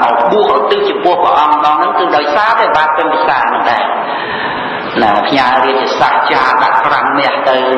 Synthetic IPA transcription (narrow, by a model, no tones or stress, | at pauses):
ɔɓuəhʔt̪ɨːt͡ɕiəpʊ̆əhpəʔɑmməɗɑːŋnɨŋkɨːɗaɔjsaːt̪aɓaːt̪̚pɨnpʰisaːmɨnɗ̪aɛ | napʰɲaːlriət̪̚ːiəsaht͡ɕaːɗa̰ʔkraŋmɛ̆əht̪ɨw